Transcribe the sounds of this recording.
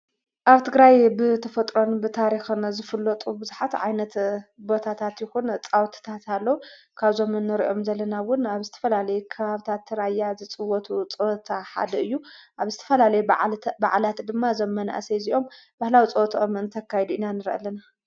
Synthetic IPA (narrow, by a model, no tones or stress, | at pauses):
ʔaβt̪ʰɨɡɾajbɨt̪ʰɐfɐt̪ʼɾo̞nbɨt̪ʰaɾixɨnzɨfɨlːɐt̪ʼubɨzuħat̪ʕajnɐt̪bo̞t̪ʰat̪ʰat̪jɪxunt͡sʼawt̪ʰt̪ʰat̪alːɐwu | kʰaβzo̞mɨnːɨɾiʔo̞mzɐlːɐnawʊnaβzɨt̪ʰɐ̥fɐlalɐjɛkʰɐβaβt̪ʰat̪ːɨɾajːazɨt͡sʼɨwɔt̪ʰut͡sʼowt̪ʰaħa̰d̪ɐɨjːuʔaβzɨt̪ʰɐ̥fɐlalɐjubaʕlat̪d̪ɨmːazɐmːɐna̰ʔseziʔo̞m | b̥ahlawit͡sʼɐwt̪ʰomɨnt̪ʰɐkʰːajɛd̪uinanɨɾʔa̰lːɐna